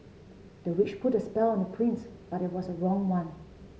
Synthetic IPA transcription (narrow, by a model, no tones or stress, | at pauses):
dð̥əɹɪt͡ʃpʰʊtəspɛlˠə̃ndəpʰɹɪ̃ns | b̥aɾɪt̚wɔzəɹɔ̃ŋwãn